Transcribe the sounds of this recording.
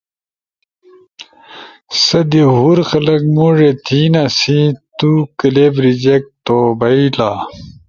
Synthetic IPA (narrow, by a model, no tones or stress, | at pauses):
sɐd̪iɦuɾxɐlɐkmoːʐet̪ʰiːnasit̪ukɐlebɾid͡ʑek̚t̪oːbɐila